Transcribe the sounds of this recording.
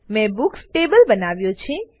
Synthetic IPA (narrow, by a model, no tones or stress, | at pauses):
mɛ̃buksʈebəlbənaʋjõt͡ʃʰĩ